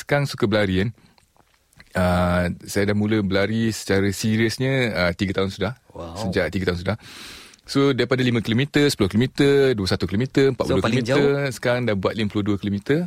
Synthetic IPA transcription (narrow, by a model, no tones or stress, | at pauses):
sə̥kaŋsukəbəlaɾian | əsajadahmũləbəlaɾisə̥t͡ʃaɾəsiɾiəsɲə̃ət̪iɡət̪aunsudah | wssəd͡ʒaʔ̚t̪iɡət̪aɦunsudah | sodaɾipadalimə̃kilomit̪əsə̥pulohkilomit̪əduəsat̪ukilomit̪əəmpaʔ̚uokloiəsə̥kaɾaŋdabuat̪liməpuluhduəkilomĩt̪ə